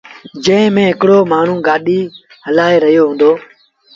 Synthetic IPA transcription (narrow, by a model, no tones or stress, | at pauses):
d͡ʒə̃ɪ̃mẽːɦɪkɽoːmaːɳ̤ũːɡaːɗiː | ɦəlaːeːɾəɦijoːɦũːnd̪oː